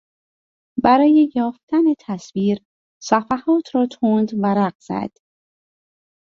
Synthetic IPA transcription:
bæɾɒːjejɒːft̪æne̞t̪ʰæsviːɾ | sæfæhɒːt̪ʰɾɒːt̪ʰoːnd̪væɾæɢz̥æ̰d̪̥

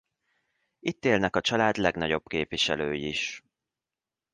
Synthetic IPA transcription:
it̪ːeːlnɛkɒt͡ʃɒlaːd̪lɛɡnɒɟo̞b̥keːpviʃɛ̰løːjiiʃ

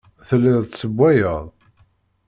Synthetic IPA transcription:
θəlːɪðˤsəbʷːæjəʁˤ

